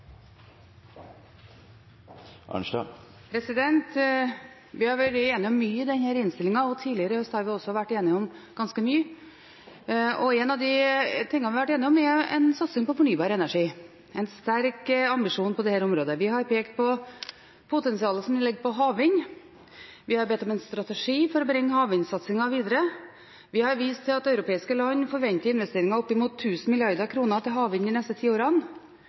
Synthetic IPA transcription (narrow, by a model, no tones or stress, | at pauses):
ʔɑ̰nʂɑ̰ | pʰɾɛsɪd̪ɛnt̪ | ʋɪhɑɾʋæʈeːnɪɔmːyːəɪd̪ɛnhæːɾɪnst̪ɪlɪŋɑɔt̪ʰiːlɪəɾəhœst̪hɑɾʋɪɔsːɔʋæʈːeːnɪɔmɡ̥ɑnskəmyːə | ɔɛnɑʋd̪ɪt̪ʰɪŋːənʋɪhɑʋæʈːeːnɪɔmɛɛ̰nsɑt̪sɪŋpɔfɔɳyːbɑːɾəɛnæʂiː | ɛnst̪æɾkɑmbɪʂuːnpʰɔd̪ɛhæːɾɔmɾoːd̪əʋɪɦɑɾpʰeːkt̪̚pʰɔ | pʰʊt̪ɛnsɪɑːləsɔmɪlɛɡːəpʰɔɦɑːʋɪɲ | ʋɪhɑɾbɛt̪ːɔmɛnst̪ɾɑt̪ɛʂiːfɔɾɔbɾɪŋːhɑːʋɪɲsɑt̪sɪŋɑʋiːd̪əɾə | ʋɪhɑɾʋiːst̪ʰɪlɑt̪ɑʉɾʊpʰeːɪskəlɑɲːfɔɾʋɛnt̪əɾɪnʋɛst̪eːɾɪŋɑɔpːɪmuːt̪ʰːʉːsn̩mɪlɪɑɾd̪əɾkʰɾuːnət̪ʰɪlɦɑːʋɪɲd̪ɪnɛst̪ət̪ʰiːoːɾɑn